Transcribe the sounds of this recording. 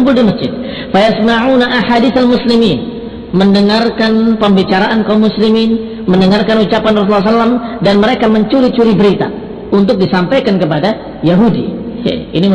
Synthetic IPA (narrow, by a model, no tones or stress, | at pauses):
mpʊldiməsd͡ʒɪd̪̚ | fajasmaʕunaʔaħadiθalmuslimin | məndəŋarkanpəmbit͡ʃaɾaʔankamːuslimin | məndəŋarkanut͡ʃapanrɔs̬ulːasalːamdanməɾekaməɲt͡ʃuɾit͡ʃuɾibəɾit̪a̰ | unt̪ʊk̚disampajkankəp̬ada | jaɦudḭja̰ini